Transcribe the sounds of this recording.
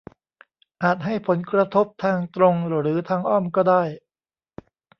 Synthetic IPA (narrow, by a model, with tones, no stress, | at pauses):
ʔaː˨˩t̪̚ɦa˥˩jpʰo˩˦nkɾa˧t̪ʰo˦˥p̚t̪ʰaː˧ŋt̪ɾo˧ŋɾɾɯː˩˦t̪ʰaː˧ŋʔɔː˥˩mkɔː˥˩daː˥˩j